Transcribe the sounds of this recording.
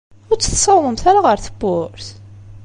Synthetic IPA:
ʊɾt͡sːə̥θsˤɑwməmθæɾaʁəɾθəbːʊɾθ

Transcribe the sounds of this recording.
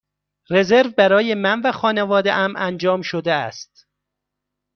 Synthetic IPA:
re̞zeɾvbæɾɒːjemænvæxɒːnevɒːd̪ḛʔæmʔænd͡ʒɒːmʃod̪eæ̰st̪̚

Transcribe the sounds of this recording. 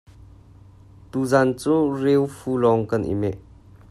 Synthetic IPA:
t̪uzant͡surewfulɔŋkanʔḭmɛʔ

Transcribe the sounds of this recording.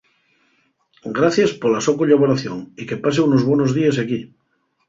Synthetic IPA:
ɡɾaθjaspolasokoʎaβoɾaθjoŋikepas̬eunozβwonozðies̬aki

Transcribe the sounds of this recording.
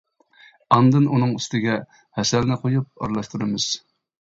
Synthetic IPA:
ɑnd̪ɨnunɨŋyst̪ɪɡʲɛ | hɛsɛlnɪqʰojup̚ɑ̰ɾlˠɑʃt̪uɾɨmɨz̥

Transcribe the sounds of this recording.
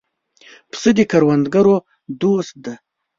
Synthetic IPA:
pʰsɨd̪ikʰaɾwand̪ɡaɾo | d̪ust̪̚d̪a

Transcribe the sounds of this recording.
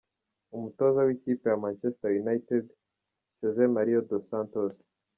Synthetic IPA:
umuto̞ːzawikiːpe̞jamant͡ʃesi̥tajunajted | ʒozemaɾiodosãntos

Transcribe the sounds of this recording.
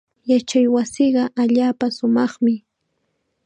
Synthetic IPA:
jat͡ʃajwasiɢɑʔaʎaːpasʊmɑχmɪ

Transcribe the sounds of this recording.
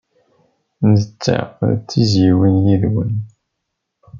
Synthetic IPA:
nd̪ət͡sːa̰t͡sːiziwinjiðwən

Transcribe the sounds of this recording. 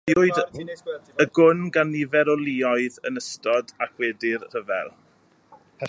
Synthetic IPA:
ʊɨd | əɡʊnɡanivɛɾɔlˠiɔɨðənəstɔdakʰwɛːdɪrr̥əvɛ̰lˠ | pʰɛ

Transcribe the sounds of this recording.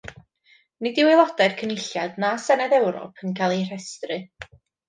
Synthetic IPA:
nɪdɪwɪlˠɔd̥arkʰənɪɬjadnasɛnɛdɛwɾɔ̰pʰənkʰajlˠir̥ɛstrɨ

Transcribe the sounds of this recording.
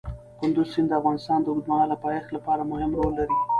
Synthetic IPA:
kʊnd̪ʊzsɪnd̪əafɣɑnɪst̪ɑnd̪əud̪maɑlapɑjext̪lapɑɾamʊhɪmɾolːaɾi

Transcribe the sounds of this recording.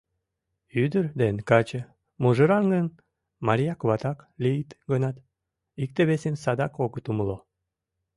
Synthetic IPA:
yd̪əɾd̪enkɑt͡ɕə̆ | muʒəɾɑŋɡən | maɾʲijakβat̪ɑklʲiit̪ɡənɑt̪ | ik̚t̪eβesensɑd̪ɑkoɡət̪uməlˠo

